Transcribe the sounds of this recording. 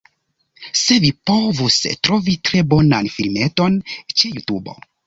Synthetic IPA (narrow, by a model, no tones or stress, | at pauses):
se̞vipo̞vustɾo̞vitɾe̞bo̞nanfilme̞to̞nt͡ʃe̞jutubo̞̰